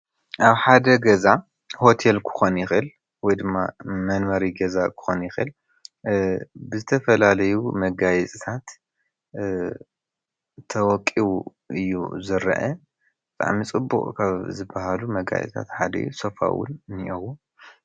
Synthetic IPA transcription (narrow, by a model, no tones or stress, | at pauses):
ʔaβħad̪ɐɡɐza | ho̞t̪ʰelkʰɨ̥xonjɪxɨl | wɔjd̪ɨmːamɐnwɐɾiɡɐzakʰɨ̥xonjɪxɨ̰l | bɨzɨt̪ʰɐfɐlalɐjumɐɡajɛt͡sʼit̪ʰat̪ | t̪ʰɐwɔkʼːiwu | ʔɨjːṵzɨɾɐ̰ʔɐ | b̥ɨt̪ʼa̰ʕmit͡sʼɨbːṵʔʼkʰaβzɨbːaɦalumɐɡa̰j̰sʼt̪ʰa̰t̪ħad̪ɐ̰jusofa̰wʊ̰nniʔɐwu